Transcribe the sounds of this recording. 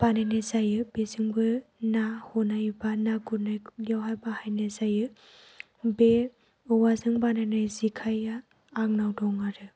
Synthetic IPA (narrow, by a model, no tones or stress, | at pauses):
b̥ananɯjzajɯbezɯŋbɯnahɔnajbanaɡunajdjawɦajbahajnɯzajɯ | be | ɯwazɯŋbananɯjzikʰajaː | ŋ̚nawdɔŋaɾɯ